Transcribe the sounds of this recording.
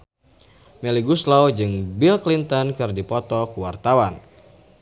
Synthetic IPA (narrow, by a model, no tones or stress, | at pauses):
mɛliɡuslawd͡ʒɨŋbilklint̪ɔnkɨrdipɔt̪ɔkuwart̪awan